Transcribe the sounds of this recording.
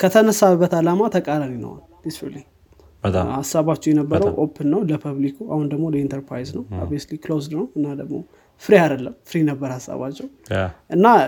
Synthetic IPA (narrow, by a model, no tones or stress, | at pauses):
kʰət̪ʰənəsabːət̪alamat̪ʰəkʼalaninə̰wa̰nd̪isfḭɾliŋ | əhasaβat͡ʃːɛwjɛnəbːəɾəwʔo̰pʰːɨnːəwləpʰəβlikʰua̰hund̪əɡmo̞ləint̪ʰəɾpʰɾa̰jznəwə̰besliklozd̪nəwɨnːad̪əɡmo̞̰ | fɨɾiad̪əlːəmfɨɾijɛnəbːəɾhasːa̰βa̰t͡ʃːɛwʔɨnːa